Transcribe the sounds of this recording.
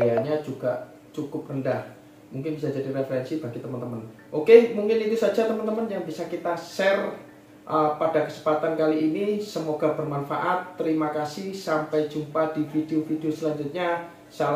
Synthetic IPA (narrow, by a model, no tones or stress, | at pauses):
jaɲad͡ʒuɡ̥aʔ | t͡ʃukʊp̚rəndah | muŋkɪnbisad͡ʒadiɾefəɾɛnsib̥aɡit̪əmənt̪əmən | ʔokemuŋkɪnit̪usad͡ʒat̪əmənt̪əmənjaŋbisakit̪asɛr | ʔəpadakəsəmpat̪ankaliinisəmoɡ̥ab̥ərmanfa̰ʔat̪ːəɾimakasɪhsampajd͡ʒumpad̥ifideofideosəlaɲd͡ʒʊt̪̚ɲa | sal